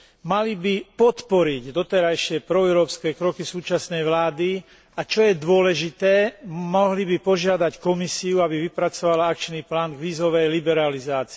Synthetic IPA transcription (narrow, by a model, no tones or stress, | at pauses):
malibipɔt̪pɔɾiɟd̪ɔt̪ɛɾajʃɪɛpɾɔɛʊɾɔːpskɛːkɾɔkisuːt͡ʃasnɛjʋlaːd̪i | at͡ʃɔjɛd̪ʊɔlɛʒit̪ɛːmɔɦlibipɔʒɪad̪ackɔmisiuabiʋipɾat͡sɔʋalaakt͡ʃniːplaːnɡʋiːzɔʋɛjlibɛɾalizaːt͡si